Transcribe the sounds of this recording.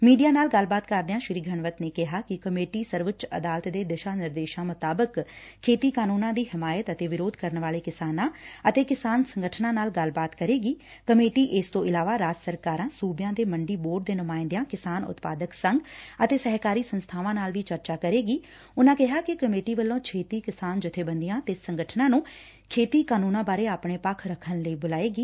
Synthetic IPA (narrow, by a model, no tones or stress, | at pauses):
miːɖijaːnaːlɡəlbaːt̪kəɾd̪ejãːʃɪɾiːɡʱəɳʋət̪neːkɪɦaːkɪkəmeːʈiːsəɾʋətt͡ʃə̰d̪aːlt̪d̪eːd̪ɪʃaːnɪɾd̪eːʃãːmʊt̪aːbəkʰː | eːt̪iːkaːnuːnãːd̪iːɦɪmaːjət̪ət̪eːʋɪɾoːd̪kəɾnʋaːleːkɪsaːnãːət̪eːkɪsaːnsəŋɡəʈʰnãːnaːlɡəlbaːt̪kəɾeːɡiː | kəmeːʈiːʔɪst̪õːʔɪlaːʋaːɾaːd͡ʒsəɾkaːɾãːsuːbjãːd̪eːməɳɖiːboːɖ̚d̪eːnʊmaːɪnd̪jãːkɪsaːnʊ̰t̪paːd̪əksəŋɡət̪eːsəɦkaːɾiːsənst̪ʰaːʋãːnaːlʋiːt͡ʃəɾt͡ʃaːkəɾeːɡiː | ʊnãːkɪɦaːkɪkəmeːʈiːʋəlːõːt͡ʃʰeːt̪iːkɪsaːnd͡ʒʊt̪ʰːeːbənd̪ijãːt̪eːsəŋɡəʈʰnãːnũː | kʰeːt̪iːkaːnuːnãːbaːɾeːaːpɳeːpəkʰɾəkʰːənləiːbʊlaːeːɡiː